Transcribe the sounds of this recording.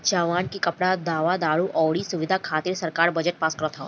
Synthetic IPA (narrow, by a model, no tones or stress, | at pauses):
d͡ʒaʋaːnkikɐpɽad̪aːʋad̪aːɭuʔɔːɽisuʋɪd̪ʱakʰaːt̪iːɾsɐɾkaːɾbəd͡ʒəʈ̚paːskəɾət̪ʰɔ